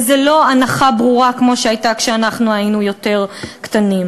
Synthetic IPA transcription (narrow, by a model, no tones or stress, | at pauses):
zelo̞anaχabʁuʁakmo̞ʃeajtakʃeanaχnuajinujo̞te̞ʁktanim